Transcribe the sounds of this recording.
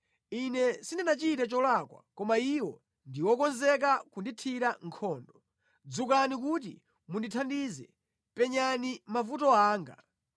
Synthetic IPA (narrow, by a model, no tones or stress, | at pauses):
inɛsindɛnat͡ʃitɛt͡ʃɔlakwa̰kɔmaiwɔ | ndiwɔkɔnzɛk̬akunditʰiɾaŋkʰɔːndɔ | d͡zukanik̬ut̬i | munditʰandizɛ̰ | pɛɲanimavutɔaːŋɡa̰